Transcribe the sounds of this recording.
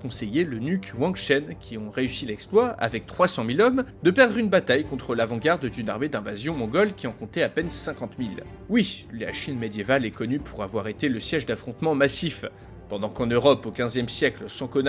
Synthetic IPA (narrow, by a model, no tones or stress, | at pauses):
kɔ̃sejelənykwɔ̃kʃɛnkʲʰiɔ̃ʁeysilɛksplwaa̰vɛk̚t̪χwasɑ̃milɔmd̪əpɛʁd̪ʁynbat̪ajkɔ̃t̪χəlavɑ̃ɡaʁd̪d̪ynaʁmed̪ɛ̃vazjɔ̃mɔ̃ɡɔlkʲiɑ̃kɔ̃t̪ɛapɛnsɛ̃kɑ̃t̪mil | wila̰ʃinmed̪jevalɛkɔnypʰuʁavwaʁet̪eləsjɛʒd̪afχɔ̃t̪mɑ̃masif | pɑ̃d̪ɑ̃kɑ̃nøʁɔpokʲɛ̃zjɛmsjɛklsɑ̃kɔn